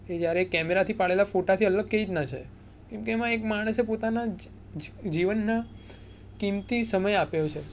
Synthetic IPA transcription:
ed͡ʒjaɾekːɛmeɾat̪ʰipaɭelafoʈat̪ʰiələɡ̚keit̪nat͡ʃʰḛ | kɛmkeːmãekmaɽ̃əsepot̪ana | d͡ʒiʋənːa | kimt̪isəməjapejot͡ʃʰe

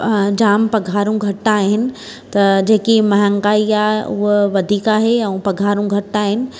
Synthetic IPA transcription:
d͡ʑaːmpɐɡʱaːɾũɡʱɐʈːaːɦɪnɪ̆ | t̪ɐd͡ʑeːkimɐɦə̃ŋɡaːiaːʊɦʋɐd̪ʱiːkaːɦeɛ̃pɐɡʱaːɾũɡʱɐʈːaːɦɪnɪ̆

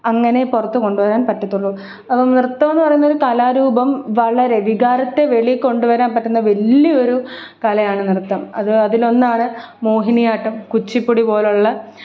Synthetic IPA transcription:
ɐŋːɐne̞purɐt̪ːuko̞ɳɖuʋɐɾaːnpɐtːɐt̪ːuɭːɐ | ɐpːɐmnirt̪ːɐmenːpɐrɐjunːɐo̞ɾukɐlaːɾuːbɐmʋɐɭɐɾe̞ʋiɡaːɾɐt̪ːe̞ʋe̞ɭiko̞ɳɖuʋɐɾaːnpɐʈːunːɐʋɐlːio̞ɾu | kɐlɐjaːɳɨnirt̪ːɐmɐ̰ðɨɐðilo̞nːaːɳɨmoːɦinijaːʈːɐmkut͡ɕːipːuɽipo̞ːluɭːɐ

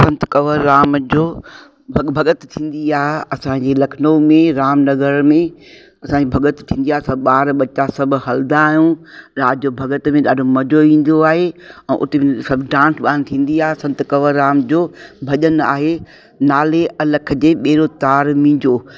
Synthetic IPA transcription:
sɐ̃nt̪kɐʋəɾːaːmd͡ʑoː | bʱbʱɐɠət̪t̪ʰĩːn̆d̪iaːɦeɐsãd͡ʑeːlɐkʰɪnomẽɾaːmnɐɡəɾmẽ | ɐsãɲd͡ʑibʱɐɠət̪t̪ʰĩːn̆d̪iaːɦesɐbɓaːɾɓɐt͡ɕasɐbʱɪ̆ɦɐld̪aːɦjũɾaːd͡ʑoːbʱɐɠət̪mẽɗaːɖʱomɐd͡ʑoĩːn̆d̪oaːɦeɛ̃ːʔʊ̰t̪esɐbʱɖãːnsɓaːnt̪ʰĩːn̆d̪iaːɦesɐ̃nt̪kɐʋəɾːaːmd͡ʑoːbʱɐʄəna̰ːɦe | naːleʔɐlək̆ʰd͡ʑeːɓeːɾot̪aːɾmĩːɲd͡ʑoː

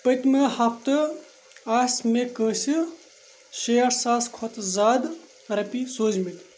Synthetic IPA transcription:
pɐt̪mehɐpʰt̪ɨ | aːsʲmekəːsi | ʃejɐɾsaːskʰɔt̪zaːd̪ | ɾɐpisoːzmit̪

